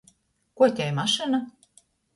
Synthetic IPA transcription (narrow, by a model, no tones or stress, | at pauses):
kotʲɑjmɑʃɤnɤ̆